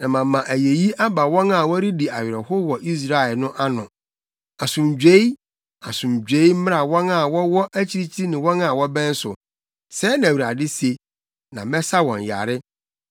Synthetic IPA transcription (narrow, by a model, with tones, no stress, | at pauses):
nã˨mã˨˦mːã˨ʔæ˨je˨ji˦ʔa˦ba˨wɔ̃˦nã˨wɔ˦ɾi˦di˨a˨ɥɪ˨ɾɔ˨hʊ˦wɔ˨ʔi˦s̬ɾa˦ɛ˨lnʊ̃˦ʔa˦nʊ̃˨ | a˨sʊ̃˨md͡ʑᶣe˦i˦ | a˨sʊ̃˨md͡ʑᶣe˨˦i˦m̩˦mɪ̃˦a˨wɔ̃˦na˦˨wɔ˦wɔ˦ʔæ˦t͡ɕʰi˦ɾi˦t͡ɕʰi˦ɾi˦nɪ̃˨wɔ̃˦na˨wɔ˦bɛ̃˦n̩˦sʊ˨ | sɛ˦nã˨ɥu˨ɾa̰˨dɪ˦si˦e˨ | nã˨mɛ̃˦sa˦wɔ̃˨n˨ja̰˨ɾɪ˦